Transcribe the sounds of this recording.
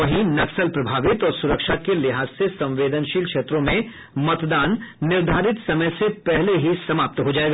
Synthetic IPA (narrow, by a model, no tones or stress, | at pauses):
ɐɦĩnɐksəlpɾɐbʱaːʋɪt̪ɔːɾsʊɾəkʃaːkelɪɦaːsːesɐ̃mʋeːd̪ənʃiːlkʃeːt̪ɾõmẽ | mɐt̪d̪aːnːɪɾd̪ʱaːɾɪt̪sɐməjsepɛɦleɦisɐmaːp̚t̪ɦod͡ʒaːeːɡaː